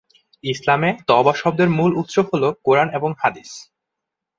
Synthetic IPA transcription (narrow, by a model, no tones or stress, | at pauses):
islamet̪ɔbaʃɔb̚d̪eɾmulut̪ʃobɦolokoɾaneboŋhad̪is